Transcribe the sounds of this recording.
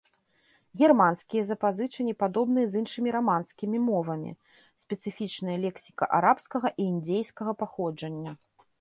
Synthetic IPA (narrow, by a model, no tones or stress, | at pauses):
ɣʲɛrmanskʲijɐzɐpazɨt͡ʂɨnʲipad̪ɔbnɨjɐzɨnʂɨmʲiɾamanskʲimʲimɔvɐmʲḭ | sʲpʲɛt̪sɨfʲit͡ʂnɐjɐlʲɛksʲi̥kɐʔaɾapskɐɣɐʔiːnd͡zʲejskɐɣɐpaxɔd͡ʐɐnʲːɐ